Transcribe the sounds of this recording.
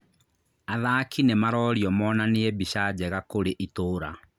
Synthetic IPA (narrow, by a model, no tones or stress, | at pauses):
aðaːkinemaɾɔːɾjɔmɔːnaneɛbiɕad͡ʑɛɣakoɾeʔitoːɾa̰